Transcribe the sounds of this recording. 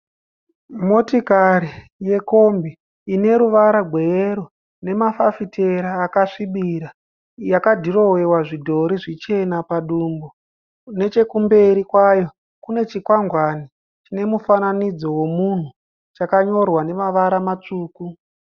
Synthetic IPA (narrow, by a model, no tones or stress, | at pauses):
mo̞tikaɾi | je̞ko̞mbiː | ne̞ɾuʋaɾaɡʱwe̞ɾo | ne̞mafafitʰe̞ɾaːkaʂiɓiɾa | jakadʱiɾo̞we̞waʐidʱo̞ɾiʐit͡ʃe̞napaɗuːmbo | ne̞t͡ʃe̞kumbe̞ɾikwajo̞ | kune̞t͡ʃikwaŋɡwani | t͡ʃine̞mufananid͡zo̞wo̞mun̤u | t͡ʃakaɲo̞rwane̞maʋaɾamat͡ʂuːku